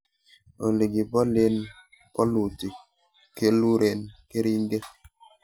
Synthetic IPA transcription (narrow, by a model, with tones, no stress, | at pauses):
o˨le˨ɡi˨bɔ˦le˦n | pɔ˦lu˨ti˨ | ke˦lu˦ɾe˨nke˦ɾi˦ŋ˦ɡe˦